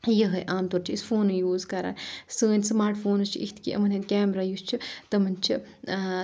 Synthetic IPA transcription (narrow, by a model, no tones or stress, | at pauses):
jɐɦɐjʔaːmt̪oːɾt͡ʃʰiispʰoːnujuːzkɐɾa̰ːnsɨːnʲsmaːɾʈʰpʰoːnɨst͡ʃʰḭʔit̪ʰkiʔɐ̰mɐnet̪kʲaːmɾaːjust͡ʃʰit̪ɐmɐnt͡ʃʰi